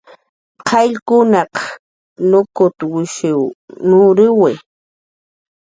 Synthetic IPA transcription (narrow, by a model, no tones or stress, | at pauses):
qʰɑʎkʊnɑq | nʊkʊt̪wɪʃɪwnʊɾɪwɪ